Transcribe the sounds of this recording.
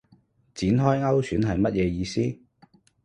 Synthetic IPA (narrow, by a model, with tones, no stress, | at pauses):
t͡siː˨˥nɦɔː˥jŋɐ˥wsʰyː˨˥nɦɐ˨jmɐ˥t̚jɛː˨˧jiː˧siː˥